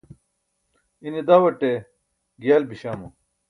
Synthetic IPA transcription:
ined̪aːwɐʈe | ɡjaːlbiɕaːmu

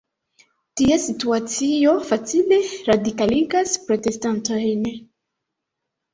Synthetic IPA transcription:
tiasituat͡sio̞fat͡sile̞ɾadikaliɡaspɾo̞te̞stanto̞jn

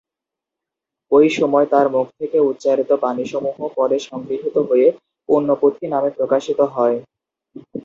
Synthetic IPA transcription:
ojʃɔmɔet̪aɾmuk̚ʰt̪ʰekeut̪ːɕaɾit̪opaniʃɔmuɦopɔɾeʃɔŋɡɾiɦit̪oɦoje | punːopot̪ʰinamepɾokaʃit̪oɦɔe

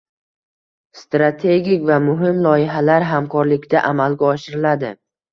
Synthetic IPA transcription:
st̪ɾat̪ʰe̞ɡʲikʲvamʊɦɪmlˠɒjɪɦalaɾɦamkʰɒɾlɪkʲd̪aʔamalɡʲaɒʃɪɾɪlad̪ɪ

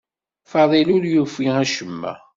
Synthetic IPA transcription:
fɑðˤilʊɾjufiæʃəmːæ̰

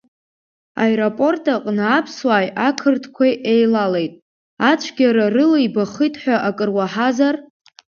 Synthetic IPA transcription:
a̰eɾopʼo̞rtʰʼaqʼnɨapʰswaːjakʰɨrtʰkʷʰajʔejlale̞jtʼ | at͡ʃʷʰɡʲaɾarɨlaibaχɨjtʰʼħʷᶣaʔakʼɨrwaħazar

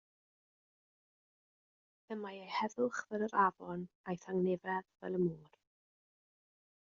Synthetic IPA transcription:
ðəmajejhɛðʊχvɛlˠəɾavɔn | ajθaŋnɪvɛðvɛ̰lˠəmuːr

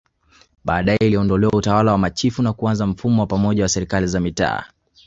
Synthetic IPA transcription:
ɓaːɗajɛiliɔndɔlɛwautawalawamat͡ʃifunakuanzam̩fumɔwapamɔʄawasɛɾikalizamita̰ː

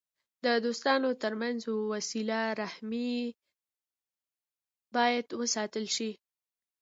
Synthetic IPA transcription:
d̪əd̪ost̪ɑnot̪əɾmanzowasilaɾahmi | bɑjad̪wəsɑt̪əlʃi

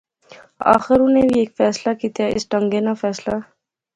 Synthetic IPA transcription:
a̰ːxɪɾʊnẽbʱieːkfɛːslakiːt̪jaɪsʈə̃ŋɡenafʰɛːsla

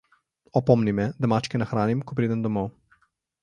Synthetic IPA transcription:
ɔpɔmnimɛd̪amat͡ʃkɛnaxɾaːnimkɔp̬ɾiːd̪ɛnd̪omo

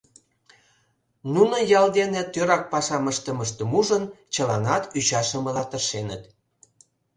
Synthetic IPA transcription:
nunojɑld̪enĕt̪øɾɑk̚pɑʃɑməʃt̪ə̆məʃt̪ə̆muʒənt͡ɕəlɑnɑt̪yt͡ɕɑʃəmə̆lɑt̪əʃenət̪

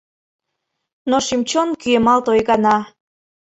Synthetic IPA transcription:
noʃimt͡ɕonkyemɑlt̪ojɣɑnɑ

